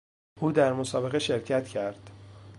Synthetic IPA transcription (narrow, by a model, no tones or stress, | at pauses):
ʔuːd̪æɾmosɒːbe̞ɣeʃe̞ɾcʰæt̪ʰcʰæɾd̪̥